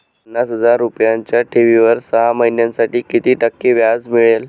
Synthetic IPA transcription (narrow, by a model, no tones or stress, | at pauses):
pənːasɦəd͡zaɾːupjaɲt͡ɕjaʈʰiʋiʋəɾsəɦaməinjansaʈiːkit̪iːʈəkːiːʋjad͡zmiɭel